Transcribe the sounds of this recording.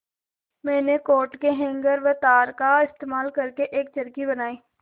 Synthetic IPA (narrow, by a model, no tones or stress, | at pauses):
mɛ̃ːnekoːʈkeɦɛ̃ŋɡəɾʋət̪aːɾkaɪst̪eːmaːlkɐɾkeʔeːk̚t͡ʃəɾkibɐnaːiː